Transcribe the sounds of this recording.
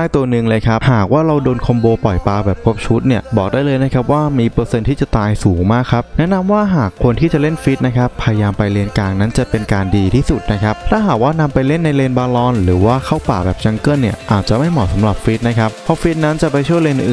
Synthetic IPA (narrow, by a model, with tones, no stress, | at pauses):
a˥˩jt̪u˧ɐnɯ˧ŋlɤː˧jkʰa˦˥p̚haː˨˩k̚waː˥˩ɾa˧wdoː˧nkʰo˧mboː˧pɔ˨˩jpaː˧bɛː˨˩p̚kʰo˦˥p̚t͡ɕʰuː˦˥t̪̚ni˥˩ɐbɔː˨˩k̚daː˥˩jlɤː˧jna˦˥kʰa˦˥p̚waː˥˩miː˧pɾɤː˧se˧nt̪ʰiː˥˩t͡ɕa˨˩t̪aː˧jsuː˩˦ŋmaː˥˩kʰːa˦˥p̚nɛ˦˥ʔna˧mwaː˥˩ɦaː˨˩kʰːo˧nt̪ʰiː˥˩t͡ɕa˨˩le˥˩nfi˦˥t̪̚na˦˥kʰa˦˥pʰa˧ja˧jaː˧mpa˧jle˧nkaː˧ŋna˦˥nt͡ɕa˨˩pe˧nkaː˧ndiː˧t̪ʰiː˥˩su˨˩t̪̚na˦˥kʰa˦˥p̚t̪ʰaː˥˩ɦaː˨˩k̚waː˥˩na˧mpa˧jle˥˩nːa˧jleː˧nbaː˧lɔː˧nɾɯː˩˦waː˥˩kʰa˥˩wpaː˨˩bɛː˨˩p̚t͡ɕʰa˧ŋkɤ˥˩nːi˥˩ɐʔaː˨˩t̪̚t͡ɕa˨˩ma˥˩jmɔː˨˩sa˩˦mɾa˨˩p̚fi˦˥t̪̚na˦˥kʰa˦˥pʰɔ˦˥fi˦˥t̪̚na˦˥nt͡ɕa˨˩pa˧jt͡ɕʰu˥˩əjleː˧n˨ʔɯː˨˩